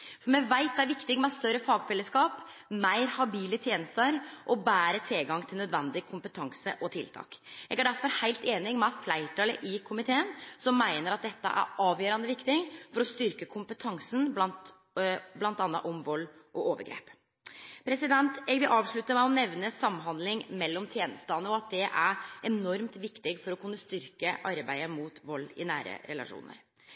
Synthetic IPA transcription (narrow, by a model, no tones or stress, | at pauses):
fɔɾmɛʋæɪt̪̚d̪ɛæɾʋɪkt̪ɪɡmɛst̪œɾːəfɑːɡfɛlːəskɑːp | mæɪɾhɑbiːlət̪ʰjeːnəst̪əɾʔɔbæːɾət̪ʰɪlɡɑŋːt̪ʰɪlnœd̪ʋɛnd̪ɪkʰʊmpət̪ʰɑŋsə̰ʔɔt̪ʰɪ̰lt̪ʰɑ̰ːkɛɡæɖæɾfɔɾhæɪlt̪eːnɪŋmɛflæɪʈʰɑːləʔɪkʰʊmɪt̪ʰeːənsɔmːæɪnəɾɑt̪̚d̪ɛt̪ːə̰ʔæ̰ɾɑːʋjøːɾɑnəʋɪkt̪ɪŋfɔɾɔst̪ʏɾkəkʰʊmpət̪ʰɑŋsn̩blɑnt̪ | blɑnt̪ɑnːə̰ʔɔmʋɔlːʔɔʔoːʋə̰ɾɡɾḛːp | pʰɾɛsɪd̪ɛnt̪ɛɡʋɪlʔɑːʋʂɭʉt̪ːəmæɪɔnɛʋnəsɑmːɦɑnd̪lɪŋmɛlːɔmt̪ʰjeːnəst̪ɑːnəɔɑt̪̚d̪ɛʔæɾɛnɔɾmt̪ʋɪkt̪ɪɡfɔɾɔkʉnːəst̪ʏɾkəʔɑɾbæɪəmuːt̪ʋɔlːɪ̰næːɾə̰ɾɛlɑ̰ʂṵːnə̰ɾ